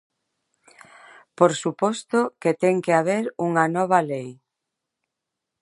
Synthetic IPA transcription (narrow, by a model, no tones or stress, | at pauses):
poɾsupɔst̪ʊket̪ɛŋkeaβ̞eɾuŋɐnɔβ̞ɐlej